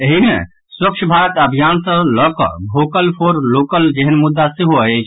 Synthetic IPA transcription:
eɦimḛ̃ | swəkt͡ʃʰbʱaɾət̪əbʱijansə̃lɔkɔ̰bʱokəlpʰoɾlokəld͡ʒeɦənmud̪ːasiɦoəət͡ʃʰ

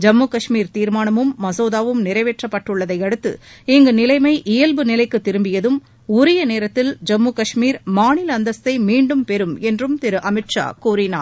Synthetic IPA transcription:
d͡ʒɐmːuːkɐʂmiːɾt̪iːɾmaːnɐmɯmːɐsoːðaːʋɯmnɪɾɐɪʋeʈrɐpːɐʈːɯɭːɐðɐɪɐɽɯt̪ːɯ̰ɛŋɡɯnɪlɐɪmɐɪʔɪjɐlbɯnɪlɐɪkːɯt̪ːɪɾɯmbɪjɐðɯm | ʊɾɪjɐneːɾɐt̪ːɪld͡ʒɐmːuːkɐʂmiːɾmaːɳɪlɐɐnd̪ɐst̪ɐɪmiːɳɖɯmpɛɾɯmɛndrɯmt̪ɪɾɯʔɐmɪʈʂa̰ːkuːɾɪnaːɾ

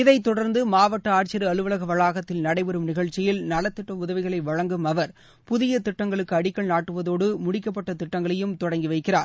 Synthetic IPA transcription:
ɪðɐɪt̪ɔɽɐɾnd̪ɯmaːʋɐʈːɐaːʈt͡ʃɪɾɯɐlɯʋɐlɐɣɐʋɐɭaːɣɐt̪ːɪlnɐɽɐɪʋɛɾɯmnɪɣɐɻt͡ʃːɪjɪlnɐlɐt̪ːɪʈːɐmʊðɐʋɪɣɐɭɐɪʋɐɻɐŋɡɯmɐʋɐɾ | pʊðɪjɐt̪ɪʈːɐŋɡɐɭɯkːɯɐɽɪkːɐɭnaːʈːɯʋɐðoːɽɯmʊɽɪkːɐp̬ːɐʈːɐt̪ɪʈːɐŋɡɐɭɐjɯmt̪ɔɽɐŋɡiʋɐɪkːɪraːɾ

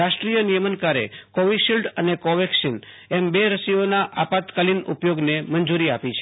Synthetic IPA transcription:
ɾaʃʈɾijənijəmənkaɾḛkɔʋiʃilʈənekoʋekʃin | ɛmbeɾəsionaʔapat̪kalinṵpjoɡnemənd͡ʒuɾiapit͡ʃʰe

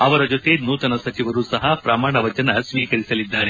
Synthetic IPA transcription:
ɐʋɐɾɐd͡ʒo̞t̪e̞nuːt̪ɐnɐsɐt͡ʃiʋɐɾuːsɐɦɐpɾɐmaːɳɐʋɐd͡ʒɐnɐsʋiːkɐɾisɐlid̪ːaːɾe

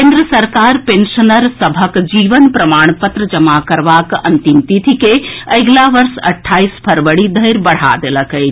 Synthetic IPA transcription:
ẽnd̪ɾəsəɾkaːɾpẽnʃənəɾsəbʱəkd͡ʒiːʋənpɾɐmaːɳ̃pət̪ɾəd͡ʒəmakəɾʋaːkɐ̰nt̪imt̪it̪ʰikeəɪɡlaʋəɾsɐ̰ʈʰːaːispʰɐɾʋəɽid̪ʱəjɾbɐɽ̤a̰d̪eləkəj

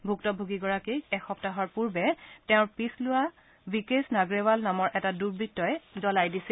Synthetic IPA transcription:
bʱuktɔbʱuɡiɡɔɹakejɛxɔp̚taɦɔɹpuɹbɛtɛ̃ʊ̃ɹpislʊa | bikesnaɡɹewalnamɔɹʔɛtaduɹbʱitːɔjɛdɔlajdisi

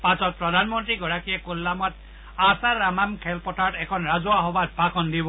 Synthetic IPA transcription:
pasɔt̚pɹɔdʱanmɔntɹiɡɔɹakijɛkulːamɔt̚ | asaɹamamkʰɛlpɔtatɛkʰɔnɹazɔaɦɔbatbʱakɔndibɔ

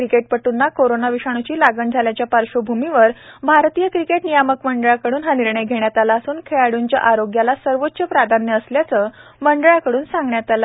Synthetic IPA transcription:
ɾikeʈ̚pəʈunːakoɾonaʋiʂaɳ̃ut͡ɕiːlaɡəɳd͡zʱaljat͡ɕjapaɾɕobʱumiʋəɾbʱaɾt̪ijəkɾikeʈnijaməkməɳɖəɭakəɽuːnɦaniɾɳəjɡʱeɽjat̪alaːsuːnkʰeɭaɽuːɲt͡ɕja̰ʔaɾoɡjalasəɾʋot̪ːɕəpɾad̪ʱanjəːsljat͡səːməɳɖɭakəɽuːnsãŋɡɳjat̪ala

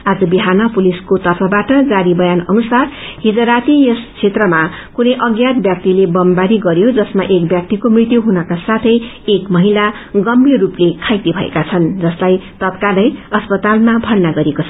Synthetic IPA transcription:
ad͡zʌbiɦanʌpuliskot̪ʌrpʰʌbaʈʌd͡zaɾibʌjanʌnusarɦid͡zʌɾat̪ijest͡sʰet̪rʌmakunʌjʔʌɡjat̪̚bjʌk̚t̪ilebʌmbaɾiɡʌɾjod͡zʌsmaʔekbjʌk̚t̪ikomrit̪juɦunʌkasat̪ʰʌj | ekmʌɦila | ɡʌmbiruplekʰajt̪ibʱʌḛkat͡sʰʌnd͡zʌslajt̪ʌt̪kalʌjʌspʌt̪almabʱʌrnaɡʌɾekot͡sʰ

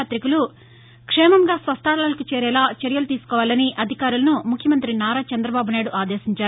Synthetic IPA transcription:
t̪ɾikulu | kʂɛːmɐŋɡaːsʋɐst̪aːɾlaːlɐkit͡ʃɛːɾɛːlaːt͡ʃeɾjɐlut̪iːsu̥kɔːʋaːlɐniʔɐd̪ʱikaːɾulɐnumukʰjɐmɐnt̪ɾinaːɾaːt͡ʃɐnd̪ɾɐbaːbunaːjɽuʔaːd̪eːʃiɲt͡ʃaːɾu

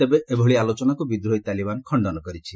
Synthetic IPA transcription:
t̪ebeʔebʱɔɭialot͡ʃɔnakubid̪ɾɦojt̪alibankʰɔɳɖɔnɔkɔɾit͡ʃʰi

